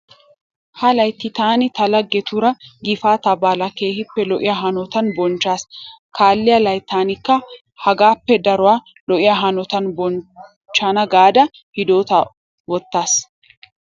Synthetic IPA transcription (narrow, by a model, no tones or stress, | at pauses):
hɐlɐjt̪ːɪt̪aːnɪt̪ɐlɐɡːɛt̪ʊɾɐɡɪfaːt̪ɐbaːlɐke̞ːhɪpːɛlɔʔɪjaːɦɐnɔt̪ɐnbɔnt͡ʃːaːskʰaːlːɪjɐlɐjt̪ːaːnɪkːɐ | hɐɡaːpːɛd̪ɐɾʊwaː | lɔʔɪjaːɦɐnɔt̪ɐnbɔn | t͡ʃːanɐɡaːd̪ɐ | hɪd̪oːt̪ɐ | wɔt̪ːaːs